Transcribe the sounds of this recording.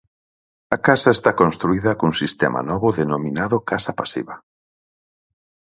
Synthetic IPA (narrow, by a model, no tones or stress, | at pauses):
ɐkasaest̪akõnst̪ɾuiðɐkuŋsist̪ɛma̰nɔβʊðenominaðʊkasapasḭβɐ